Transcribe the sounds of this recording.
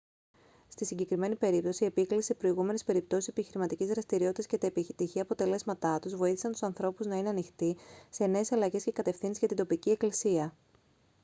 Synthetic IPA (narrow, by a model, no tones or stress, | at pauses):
st̪isiɲɟe̞kɾime̞nipe̞ɾip̚t̪o̞sie̞piklise̞pɾo̞iɣume̞ne̞spe̞ɾip̚t̪o̞sisepiçiɾimɐt̪icizðɾɐst̪iɾio̞t̪it̪ɐscet̪ɐepiçt̪içiɐpo̞t̪e̞le̞zmɐt̪ɐt̪uzvo̞iθisɐnt̪u̥sɐnθɾo̞puznɐine̞ɐnixt̪ise̞ne̞ːsɐlɐʝe̞sce̞kɐt̪e̞fθinsizʝɐt̪ind̪o̞picie̞klisiɐ